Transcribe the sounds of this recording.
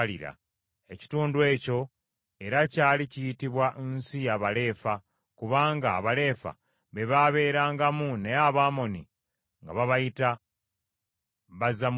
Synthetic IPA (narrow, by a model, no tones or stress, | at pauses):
lḭɾa̰ | e̞ci̥tuːnduwe̞ːco̞ | eɾacaːlicijitiβwaʔnsijaβale̞ːfa | kuβaːŋɡaːβale̞ːfa̰ | βe̞βaβe̞ːɾaːŋɡamuneaβaːmo̞ni | ŋɡaβaβajita | βazam